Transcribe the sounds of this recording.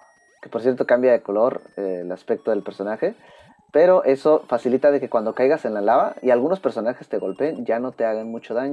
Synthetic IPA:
kepo̞ɾsjeɾt̪o̞kambjaðe̞kolo̞ɾelaspe̞k̚t̪o̞ð̞e̞lpe̞ɾso̞naxe̞ | pe̞ɾo̞ʔe̞so̞fasilit̪aðe̞kekwand̪o̞kajɣase̞nlaelaβaialɣuno̞spe̞ɾso̞naxe̞st̪eɣo̞lpeːnʝano̞t̪e̞aɣanmut͡ʃo̞ðaɲo

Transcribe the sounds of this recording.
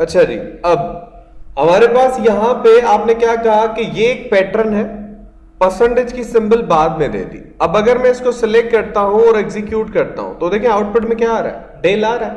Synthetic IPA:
ɐtːʃʰad͡ʒḭːɐb | ɦɐmaːɾepaːsjɐɦãpeaːpnekjaːkɐɦakijeːk̚pɛːʈɾənɦɛː | pɐsə̃ɳɖed͡ʒkisɪ̃mbəlbaːd̪mẽd̪ḛːt̪ḭːɐbɐɡəɾmɛ̃ɪskosɛlɛk̚ʈ̚kɐɾt̪aɦũɔːɾɛɡzɪkjuːʈkɐɾt̪a̰ɦṵ̃t̪od̪eːkʰĩẽaːʊʈ̚pɪʈmẽkjaaːɾa̰ːɦɛ̰ | ɖeːlaːɾɦɛː

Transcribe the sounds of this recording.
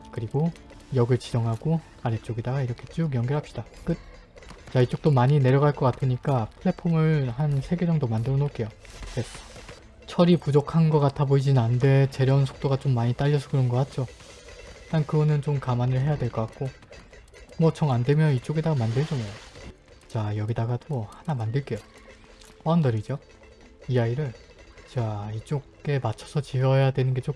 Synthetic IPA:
kɯɾiɡo | jʌɡɯɭt͡ɕid͡ʑʌŋɦaɡ̥o | aɾet͡ɕ͈oɡedaɡaiɾʌkʰe̞t͡ɕ͈umjʌŋɡʌɭɦhapɕ͈id̥ak͈ɯt̚ | t͡ɕait͡ɕ͈ok̚t͈omaɲine̞ɾjʌɡaɭk͈ʌk͈atʰɯɲik͈apʰɯɭːe̞pʰomɯɭhansʰe̞ɡe̞d͡ʑʌŋdomandɯɾʌnok͈e̞jo | e | t͡ɕʰʌɾipud͡ʑokʰanɡʌk͈atʰaboid͡ʑinɯnande̞t͡ɕe̞ɾjʌnsʰo̥k̚t͈oɡat͡ɕomːaɲit͈aʎːʌsʰʌɡɯɾnɡʌk͈at̚t͡ɕ͈o | t͈ankɯɡʌnɯnt͡ɕomkamanɯɭɦe̞jadwe̞ɭk͈ʌk͈ak̚k͈o | mwʌt͡ɕʰʌŋandwe̞mjʌnit͡ɕ͈oɡe̞daɡamandɯɭd͡ʑʌnajo | t͡ɕajʌɡidaɡatohanamandɯɭk͈e̞jo | ʌandʌɾid͡ʑo | ijaiɾɯɭt͡ɕait͡ɕ͈oɡ͈e̞mat͡ɕʰʌsʰʌt͡ɕiʌjadwe̞nɯnɡe̞t͡ɕ͈o

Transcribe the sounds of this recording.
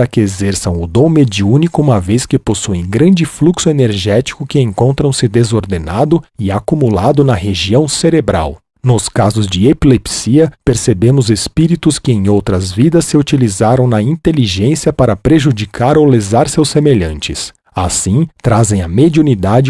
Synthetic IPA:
ɐkɪezɛɾsɐ̃w̃ʊd̪õw̃med͡ʒiũnikʊũmɐveskɪposuẽŋɡɾɐ̃nd͡ʒɪfluksʊeneɾʒɛt͡ʃi̥kʊkɪẽŋkõnt̪ɾɐ̃w̃sɪd̪ezoɾd̪enad̪ʊɪakumulad̪ʊnɐɦeʒiɐ̃w̃seɾebɾa̰w | nʊskazʊzd͡ʒɪepilepsiɐpeɾsebẽmʊzespiɾit̪ʊskɪẽj̃owt̪ɾɐzvid̪ɐsːɪut͡ʃilizaɾɐ̃w̃nɐĩnt̪eliʒẽsiɐpaɾɐpɾeʒud͡ʒikʰaɾowlezaɾsewsemeʎɐ̃nt͡ʃɪs | asĩt̪ɾazẽj̃ɐmed͡ʒiunid̪ad͡ʒɪ

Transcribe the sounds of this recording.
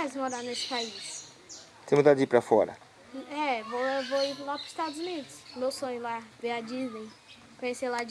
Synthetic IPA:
ɛzmoɾanesɪ̥pais | t̪ẽmud̪ad̪ipɾɐfɔɾɐ̰ | ɛvoewvoilapɾʊi̥st̪ad̪ʊzunid̪ʊsmewsõɲʊlaveɐd͡ʒiznej | kõɲeselad͡ʒ

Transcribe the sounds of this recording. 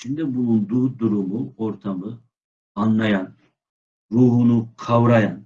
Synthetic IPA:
t͡ʃʰind̪ɛbulˠund̪ud̪uɾumuoɾt̪ʰɑmɯ | ɑnːɑjɑn | ɾuɦunuqʰɑwɾɑjɑn

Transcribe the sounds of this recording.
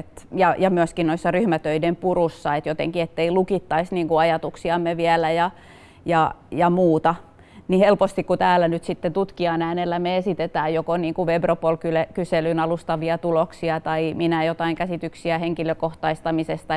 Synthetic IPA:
et̪jɑjɑmyøskinnoisːɑryhmæt̪øidempurusːɑet̪jot̪ḛŋkiet̪ːeilukit̪ːɑisniːŋkuɑjɑt̪uksiɑmːeʋiælæjɑ | jɑjɑmuːt̪ɑ | nihelpost̪ikkut̪æːlænyt̪sit̪ːet̪ut̪kiɑnæːnelːæmeesit̪et̪æːjokoniːŋkuʋebropuolkylekyselynɑlust̪ɑʋiɑt̪uloksiɑt̪ɑiminæjot̪ɑiŋkæsit̪yksiæheŋkiløkoht̪ɑist̪ɑmisest̪ɑ

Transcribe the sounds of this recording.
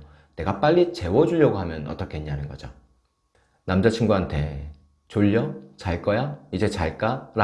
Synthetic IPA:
ne̞ɡap͈aʎːit͡ɕe̞wʌd͡ʑuʎjʌɡoɦamjʌnʌ̰t͈ʌkʰeɲːanɯnɡʌd͡ʑo | namd͡ʑat͡ɕʰiŋɡuantʰe̞ | t͡ɕoʎːʌt͡ɕaɭk͈ʌjaid͡ʑe̞t͡ɕaɭk͈aɾa

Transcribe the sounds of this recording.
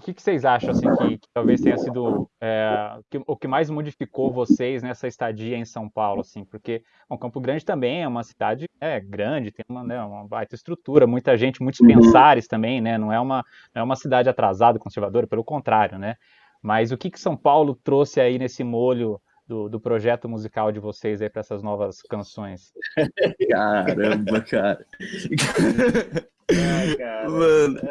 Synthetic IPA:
ʊkɪkɪ̥sejzaʃɐ̃w̃asĩkɪkɪ̥t̪awvejst̪ẽɲɐsid̪ʊɛʊkɪʊkɪmajzmod͡ʒifikowvosejznɛsɐɪst̪ad͡ʒiɐẽsɐ̃w̃pawlʊasĩpoɾke | ɛũkɐ̃mpʊɡɾɐ̃d͡ʒɪt̪ɐ̃mbẽj̃ɛũmɐsi̥d̪ad͡ʒɪnɛɡɾɐ̃d͡ʒɪt̪ẽj̃ũmɐnɛũmɐbajt̪ɐɪst̪ɾut̪uɾɐmũj̃t̪ɐʒẽnt͡ʃɪmũj̃t̪ʊ̥spẽsaɾɪst̪ɐ̃mbẽj̃nɛnɐ̃w̃ɛũmɐ | nɐ̃ɛũmɐsid̪ad͡ʒɪat̪ɾazad̪ɐkõseɾvad̪oɾɐpelʊkõnt̪ɾaɾjʊnɛ | mɐzʊkɪkɪ̥sɐ̃w̃pawlʊt̪ɾosɪainesɪmoʎʊ | d̪ʊd̪ʊpɾoʒɛt̪ʊmuzikawd͡ʒɪvosejzaipɾɐɛsɐznɔvɐskɐ̃sõj̃s | kaɾɐ̃bɐkaɾɐka | kamɐ̃nʊ

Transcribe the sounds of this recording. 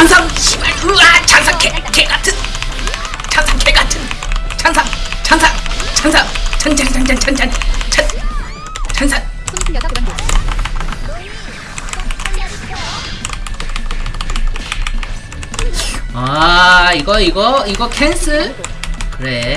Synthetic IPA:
ansʰamɕʰimɯɭtuɾat͡ɕansʰaŋkʰekeɡatʰɯn | t͡ɕansʰaŋkʰeɡatʰɯnt͡ɕansʰat͡ɕansʰaŋt͡ɕansʰaŋt͡ɕant͡ɕant͡ɕand͡ʑant͡ɕand͡ʑant͡ɕan | t͡ɕansʰan | aiɡʌiɡʌiɡʌkʰens͈ʰɯ | kɯɾe

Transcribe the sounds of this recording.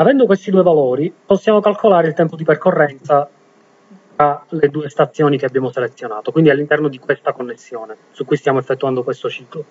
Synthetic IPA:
avɛnd̪okwest̪id̪uːevalɔːɾiposːjaːmokalkʰolaːɾeilt̪ɛmpod̪iperkorːɛnt̪sa | t̪ɾaled̪uːest̪at̪sːjɔːnikeabːjaːmoselet̪sːjonaːt̪okwind̪ialːint̪ɛrnod̪ikwest̪akonːesːjɔːnesukːujst̪jaːmoɛfːet̪ːuand̪okwest̪ot͡ʃiːklo

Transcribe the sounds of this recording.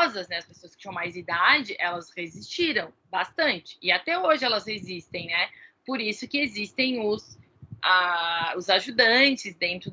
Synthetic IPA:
zɐznɛɐspesoɐskɪt͡ʃĩjɐ̃w̃majzid̪ad͡ʒɪʔɛlɐshezist͡ʃiɾɐ̃w̃bast̪ɐ̃nt͡ʃɪ̥ɪat̪ɛoʒɪɛlɐzhezist̪ẽj̃nɛpoɾisʊkɪezist̪ẽj̃ʊs | aʊzaʒud̪ɐ̃nt͡ʃɪzd̪ẽnt̪ɾʊ

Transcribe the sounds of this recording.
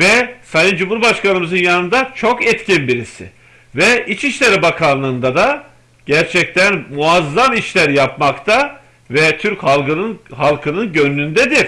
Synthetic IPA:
vɛsajɯnd͡ʒumhuɾbaʃkanɯmɯzɯnjanɯnd̪at͡ʃʰo̞kɛt̪cʰinbiɾisɪ̰ | vɛʔit͡ʃiʃlʲeɾibakʰanlˠɯːnd̪ad̪a | ɟ̥æɾt͡ʃʰɛc̚t̪ʰænmuazːamiʃlʲæɾjapmakt̪ʰa | vɛt̪ʰyɾchalˠɡɯnɯnɦalˠkʰɯnɯnɟønːynd̪ɛd̪iɾ̥

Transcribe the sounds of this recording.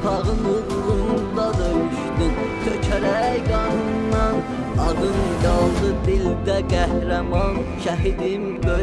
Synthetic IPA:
tʰɑʁɯnu | ʁund̪ɑd̪ɯyʃd̪int̪ʰøcʰæɾæjɡɑnɯnːɑn | ɑd̪ɯnɡɑlˠd̪ɯd̪ild̪æɡæhɾæmɑnʃæɦid̪in | bø

